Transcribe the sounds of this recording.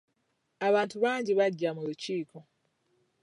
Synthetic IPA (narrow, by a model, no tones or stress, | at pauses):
aβaːntuβaːɲɟiβaɟːamuluciːko